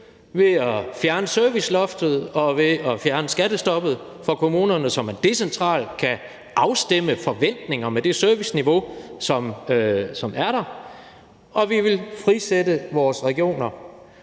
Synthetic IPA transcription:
ʋe̝ɒfjæɐnəsøɐʋislɒ̽fd̥ð̞̩ˠɒ̽ʋe̝ɒfjæɐnəsɡ̥æɾ̥əsd̥ɒ̽b̥ð̩ˠ | fɒ̽kʰo̝muːnɐnəsɒ̽mæɐd̥e̝sent͡sʰʁɑ̰̈ːld̥kʰæ | ʔɑ̈ʊsd̥eməfɒ̽ʋen̰d̥ne̝ŋɐmed̥e̝søɐʋisniʋo̝sɒ̽msɒ̽mæɐɾ̥ɑ̈ | ʔɒ̽ʋiʋe̝lfʁisedəʋɒːsʁɛɡ̥io̝̰ːnɐ

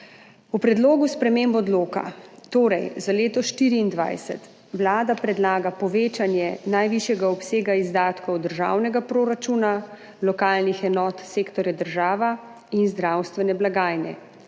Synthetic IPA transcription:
upɾɛd̪loːɡuspɾɛmembɔd̪loːka̰t̪oːɾɛjzaleːt̪ɔʃt̪iːɾiːnd̪ʋa̰jsɛ̰t̪ | ʋlaːd̪apɾɛd̪laːɡapɔʋeːt͡ʃanjɛnajʋiʃjɛɡaɔpseːɡaizd̪aːt̪kɔwd̪əɾʒa̰ːwnɛɡapɾoːɾat͡ʃuːna | lɔkaːlnixɛnɔːt̪seːkt̪ɔɾjad̪əɾʒaːʋa | inzd̪ɾawst̪ʋɛnɛblaɡaːjnɛ̰

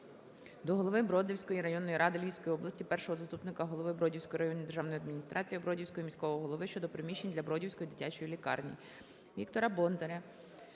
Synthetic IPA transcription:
d̪ɔɦɔlˠɔʋɪbɾɔd̪ʲɪwsʲkɔjiɾɐjɔnːɔjiɾɑd̪ɪlʲijwsʲkɔjiɔblˠɐsʲtʲipɛrʃɔɦɔzɐst̪upnɪkɐɦɔlˠɔʋɪbɾɔdʲiwsʲkɔjiɾɐjɔnʲid̪erʒɑwnɔjiɐd̪mʲinʲist̪ɾʔɑt͡sʲijbɾɔdʲiwsʲkɔjimʲisʲkɔʋɔɔɦɔlˠɔʋɪʃt͡ʃɔd̪ɔpɾɪmʲiʃt͡ʃːenʲd̪lʲɐbɾɔdʲiwsʲkɔjid̪ɪtʲat͡ʃɔjilʲikɑ̰rnʲḭ | ʋʲikt̪ɔɾɐbɔnt̪ɔɾʲɐ

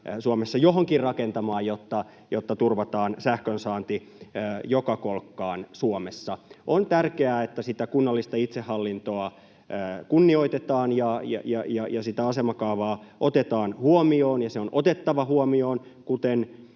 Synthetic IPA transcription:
suomesːɑjoɦoŋkirrɑkent̪ɑmɑːjot̪ːɑ | jot̪ːɑt̪urʋɑt̪ɑːnsæhkønsɑːnt̪i | jokɑkolkːɑːnsuomesːɑont̪ærkeæːet̪ːæsit̪ækunːɑlːist̪ɑit̪sehːɑlːint̪oɑː | kunːioit̪et̪ɑːnjɑjɑ̰jɑjɑjɑsit̪æɑsemɑkɑuʋɑːʔot̪et̪ɑːnhuomioːnjɑseonot̪et̪ːɑʋɑhuomioːn | kut̪en

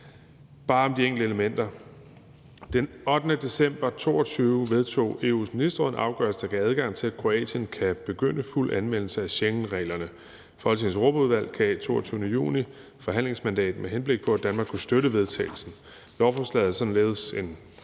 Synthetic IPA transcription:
b̥ɑ̈ːɒ̽md̥ieŋ̰ɡləe̝ləmen̰d̥ɐ | d̥enɒ̽d̥nəd̥e̝sem̰b̥ɐt͡sʰo̝̰ːɒt͡sʰyːʊəʋe̝ð̞ˠt͡sʰo̝̰ːe̝ṵːsminisd̥ɐʁɔð̩ˠʔɑ̈ʊɡ̥ɶɐsd̥ɑkʰææð̞ˠɡ̥ɑ̈ŋ̰t͡sʰe̝æ̥kʰʁo̝ɛ̰ːdənkʰæb̥e̝ɡ̥øn̰əful̰ʔænʋen̰l̩səæɕeŋn̩ʁɛ̰ːlɐnə | fɒːhɒlt͡sʰe̝hænsʁob̥əuð̞ˠʋæl̰kʰæt͡sʰo̝̰ːɒt͡sʰyːʊənəjṵːni | fɒ̽ɦæn̰le̝ŋsmænd̥ɛ̰ːd̥meɦenb̥le̝ɡ̥̚pʰɒ̽æd̥ænmɑ̈ːɡkʰːusd̥øɾəʋe̝ð̞ˠt͡sʰɛ̰ːɪl̩sn̩ | lɒʊfɒslɛ̰ːð̩ˠsɒ̽n̩lḛːð̞̩əse̝n

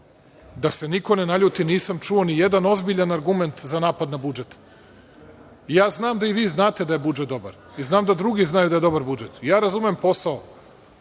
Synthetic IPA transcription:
d̪ase̞niko̞ne̞naʎuːt̪iniːsamt͡ʃuonijed̪ano̞zbiʎanaɾɡume̞nt̪zanaːpad̪nabud͡ʒet̪ | jaːznaːmd̪aiʋiːznaːt̪e̞d̪aje̞bud͡ʒet̪d̪o̞ba̰ɾ | iznaːmd̪ad̪ɾuɡiznajud̪aje̞d̪o̞baɾbud͡ʒet̪jaːɾazumeempo̞sao

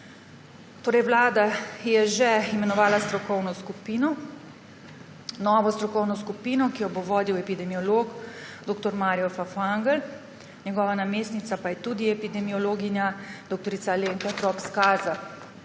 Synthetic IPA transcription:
t̪oːɾɛjwlaːd̪ajɛʒɛimɛnɔʋaːlast̪ɾɔkɔwnɔskupiːnɔ | nɔʋɔst̪ɾɔkɔwnɔskupiːnɔkijɔboʋɔːd̪iwɛpid̪ɛmiɔloːɡd̪oːk̚t̪ɔɾmaːɾijɔfafaŋɡəl | ɲɛɡɔːʋanameːst̪nit̪sapajɛt̪ud̪iɛpid̪ɛmiɔloːɡinjad̪okt̪ɔɾiːsaleːŋkat̪ɾɔpskaːza

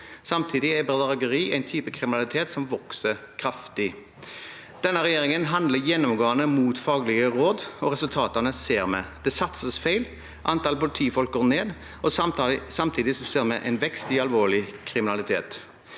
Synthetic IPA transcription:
sɑmt̪ʰiːd̪ɪæbʁɑd̪ɑʁɑɡəʁiːæɪnt̪ʰyːpəkʰʁɪmɪnɑlɪt̪ʰeːt̪sɔmʋɔksəkʰɾɑft̪ɪ | d̪̥ɛnːəɾɛjeːʁɪŋənɦɑnd̪ləjɛnːɔmɡoːənəmuːt̪fɑːɡlɪɡəɾoːd̪ɔʁɛsʉlt̪ʰɑːt̪ənəseːʁmɛ̰d̪̥ɛsɑt̪səsfæɪl | ʔɑnt̪ɑlpʊlɪt̪ʰiːfɔlk̚ɡɔʁneːd̪ | ɔsɑmt̪ʰiːd̪ɪsɔseːʁmɛʔæ̰ɪnʋɛkst̪ɪɑlʋoːɭɪkʰʁɪmɪnɑlɪt̪ʰḛːt̪

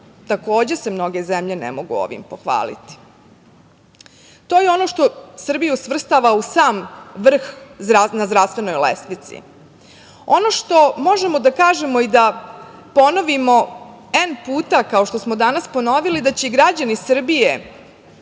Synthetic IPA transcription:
t̪ako̞ːd͡ʑe̞se̞mno̞ɡe̞zemʎe̞nḛmo̞ɡṵo̰ʋḭmpo̞xʋa̰ːlḭt̪i̥ | t̪oːjeo̞no̞ʃt̪osr̩bijusʋr̩st̪aʋausaːmʋr̩xanazɾafst̪ʋe̞no̞jlḛslit̪sḭ | o̞no̞ʃt̪o̞mo̞ʒe̞mo̞d̪akaːʒe̞moid̪a | po̞no̞ʋimo̞ | enpuːt̪akaoʃt̪osmod̪anaspo̞no̞ʋilid̪at͡ɕeiɡɾad͡ʑanisr̩bije

